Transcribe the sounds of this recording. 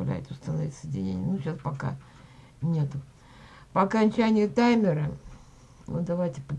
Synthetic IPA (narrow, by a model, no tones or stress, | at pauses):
lʲæ̰jɪt̪ʲʊst̪ənɐvʲit̪sədʲɪnʲḛnʲɪnuɕaspɐka̰ | nʲe̞t̪ʊ | pəɐkɐnʲt͡ɕænʲɪjət̪ajmʲɪɾə | o̰d̪ɐvajtʲɪpə